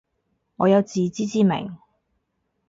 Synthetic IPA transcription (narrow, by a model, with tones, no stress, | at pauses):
ŋɔː˨˧jɐ˨˧wt͡siː˨t͡siː˥t͡siː˥mɪ̰˨˩ŋ